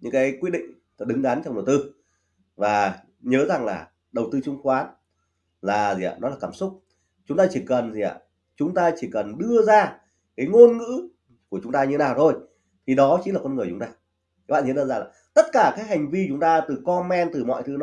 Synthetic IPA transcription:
ɲɨ̰˧˥ŋkaː˨˦jkwt̚ɗḭ˧˨ŋ̟˨˩ | ɗɨ˨˦ŋɗa˨˦nt͡ɕɔ˧wŋ͡mɗə˨˩wt̪ɨ˧ | vaː˨˩ | ɲəː˨˦za˨˩ŋlaː˨˩ | ɗə˨˩wt̪ɨ˧t͡ɕʊ˨˧˦ŋ͡mxwaː˨˦n | laː˨˩zḭ˨a̰˧nɔ˨˦aː˨˩kaː˧˩msʊ˦˥k͡p̚ | t͡ɕʊ˨˦ŋ͡mt̪aː˧t͡ɕi˧˩kə˨˩nzi˨˩˨a̰ː˧˨˩ | t͡ɕʊ˨˦ŋ͡mt̪aː˧t͡ɕi˧˩kə˨˩nɗɨ˧əzaː˧ | kaː˨˦jŋo˧nŋɨ̰˧˥ | ku˧˩ət͡ɕʊ˨˦ŋ͡mt̪aː˧ɲɨ˧naː˨˩wt̪ʰo˧˩j | t̪ʰi˨˩ɗɔ˨˦t͡ɕi˨˦nlaː˨˩kɔ˧nŋɨ˨˩ət͡ɕʊ˨˦ŋ͡mt̪aː˧˨˦ | ɓa̰˧˨˩t͡ɕi˨˦zɨ˧zaː˧laː˨˩t̪ə˦˥t̚kaː˧˩kaː˨˦jɦha˨˩jŋ̟vi˧t͡ɕʊ˨˦ŋ͡mt̪aː˧t̪ɨ˨˩kɔ˧mɛ˧nt̪ɨ˨˩mɔ̰˧˨jt̪ʰɨ˨˦n˨˦

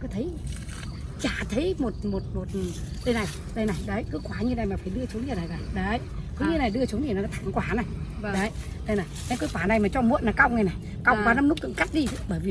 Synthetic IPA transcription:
kɨ˨˦t̪ʰə˨˦j | t͡ɕaː˧˩t̪ʰə˨˦jmo˨˩t̚mo˨˩t̚mo˨˩t̚ɗə˧jna˨˩j | ɗə˧jna˨˩jɗə˨˦kɨ˨˦kwaː˧˩ɲɨ˧na˨˩jmaː˨˩faː˧˩jɗɨ˧ət͡ɕu˨˦nɲɨ˨˧˩na˨˩aː˨˩ɗə˨˦ | kɨ˨˧˦ɲɨ˧na˨˩jɗɨ˧ət͡ɕu˨˦nɨ˨˩n˨˩˨t̪ʰa˧˩ŋkwaː˧˩na˨˩j | ɗə˨˦ | ɗə˧jna˨˩jɗə˨˦jkɨ˨˦kwaː˧˩na˨˩jmaː˨˩t͡ɕɔ˧mṵ˧˨ənːaː˨˩ka˧wŋ͡mna˨˩jna˨˩j | ka˧wŋ͡mvaː˨˩na˧mnu˦˥k͡p̪̚ɨ̰˧˥ŋka˦˥k̚ɗi˧tʰɨ˨˧˦ɓəː˧˩jvi˨˩

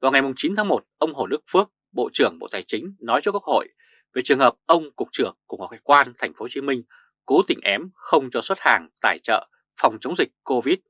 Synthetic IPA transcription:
vaː˨˩wŋa˨˩jmʊ˨˩ŋ͡mt͡ɕi˨˦nt̪ʰaː˨˦mo˨˩t̚ʔə˧wŋ͡mɦo˧˩ɗɨ˦˥k̚fɨ˦˥ək̚ | ɓo̰˧˨t͡ɕɨ˧˩əŋɓo̰˧˨t̪aː˨˩jt͡ɕï˨˦ŋ̟nɔ˨˦jt͡ɕɔ˧kwək̚ho̰˧˨j | ve˨˩t͡ɕɨ˨˩əŋhəː˨˩p̚ʔə˧wŋ͡mkʊ˨˩k͡p̚t͡ɕɨ˧˩əŋku˧˩ŋɔ˨˩kaː˨˦jkwaː˧nt̪ʰɛ˨˩jŋ̟fo˨˦t͡ɕi˨˦mï˧ŋ̟ | ko˨˦t̪ï˧˩ŋ̟ʔɛ˨˦mxə˧wŋ͡mt͡ɕɔ˧swə˦˥t̚haː˨˩ŋt̪a̰ː˧˩jt͡ɕə̰ː˧˨ | fa˨˩wŋ͡mt͡ɕə˨˦wŋ͡mzï˨˩k̟̚ko˧vi˦˥t̚

